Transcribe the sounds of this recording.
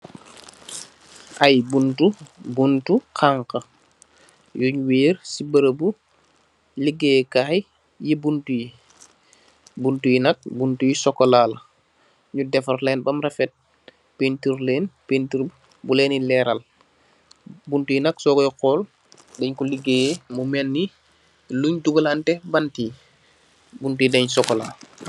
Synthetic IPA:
ʔɐjbuntubuntukʰaŋkɐ | jɔɲuweːɾsibəɾəbu | liɡejkaːj | jibuntuji | buntujinɐk̚buntujisɔkːɔlaːl | ɲudɛfaɾlɛːnbamɾafɛt̚ | pentiɾleːnpentiɾ | bulenilɛɾal | buntujinaksɔɡɔjixɔːl | deɲkuliɡːejemumɛnːi | luɲduɡalantɛbanti | buntujideɲsɔkɔla̰l

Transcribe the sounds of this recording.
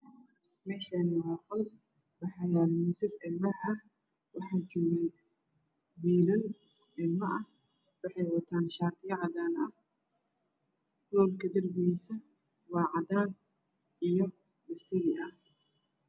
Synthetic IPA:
mɛːʃɐnɪwɑːqɔl | wɑħɑjaːlmɪsɐsɪlmɐɐ | wɑħɑːjt͡ʃɔːɣaːn | wiːlɐn | ʔɪlmɐʔɐh | wɑħɑjwɐt̪ʰaːnʃaːt̪ʰɪjɐʕɑd̪aːnɐh | ɡ̥ɔːlkʰɐd̪ɐrbɛjsɐ | wɑːʕɑd̪aːn | ʔijɔ | bɐsɪɣɪʔɐh

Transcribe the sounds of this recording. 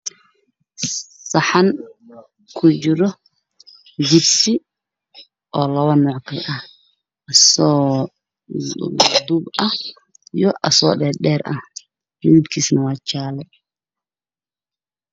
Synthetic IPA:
sɐħan | kʰʊt͡ʃɪɾɔ | d͡ʒɪbsi | ʔɔːlɐβɐnɔːʕkʰɐlɐh | ʔɐsɔː | d̪ubɐh | ijɔʔɐsɔ̰ːɗɛːɗɛːɾʔɐh | mɪðibkʰiːsnɐwɑːt͡ʃaːlɛ

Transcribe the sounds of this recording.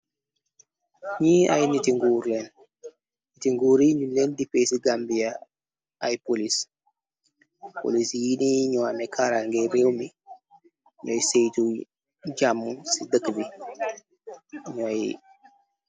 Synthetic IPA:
ɲiːa̰jnitiŋɡuːɾlɛn | nitiŋɡuːɾiɲulɛndipesiɡambija | ajpolis | po̰lisjiniɲɔamɛkʰaɾaŋɡɛɾewmi | ɲɔjsejtu | ɟamːunsidəkːbi | ɲɔjḭ

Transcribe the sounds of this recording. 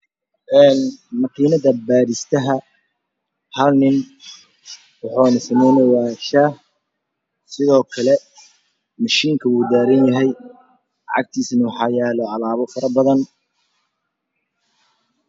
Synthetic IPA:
ʔɛːnmɐqʰiːnɐðɐbaːɾɪst̪ʰɐɦɐ | hɐlnɪn | wɑħuːnɪsɐmɛjnɐwaːʃah | sɪðɔːkʰɐlɛ | mɐʃiːŋkʰɐuːd̪aːɾɐnjɐɦɛj | ʕɑ̰ɡ̚t̪ʰiːsnɐwʊħɑːjɛːlɔːʕɑlaːβɔfɐɾɐbɐðɐn

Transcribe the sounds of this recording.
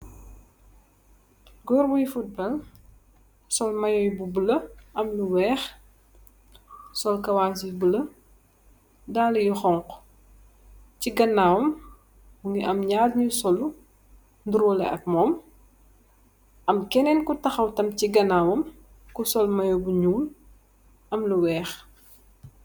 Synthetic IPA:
ɡɔːɾbujfut̚bɐl | sɔlmɐjɔjbubulɐɐmnuwɛːx | sɔlkɐwaːsibulɐ | daːlɐjuxɔŋk | ciɡɐnːaːwɐm | buŋiʔɐmɲaːrɲusɔlu | nduɾwɔlɛ̰ʔɐ̰k̚mɔːm | ʔɐmkɛnɛnkutɐxɐwtɐmciɡɐnaːwɐm | kusɔlmɐjubuɲuːl | ɐmluwɛːx

